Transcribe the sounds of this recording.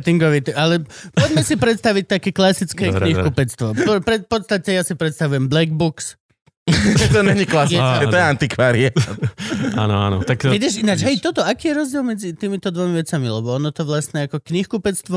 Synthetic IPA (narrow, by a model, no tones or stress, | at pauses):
t̪iŋɡɔʋit̪ɛalɛpɔɟmɛsipɾɛt̪st̪aʋic̚t̪akɛːklasit͡skɛkɲikupɛt̪t͡st̪ʋɔppɾɛpɔt̪st̪acɛjasipɾɛt̪st̪aʋujɛmblɛɡbuks | t̪ɔɲɛɲiklasjɛkɛɔjɛant̪ikʋaːɾia | ʔa̰nɔa̰nɔ̰t̪akʋidɛʃinad͡ʒɦɛjt̪ɔt̪ɔakiːjɛɾɔzɟɪɛlˠmɛd͡zit̪iːmit̪ɔd̪ʋɔmiʋɛt͡samilɛbɔɔnɔt̪ɔʋlasɲɛakɔkɲixkupɛt͡st̪ʋɔ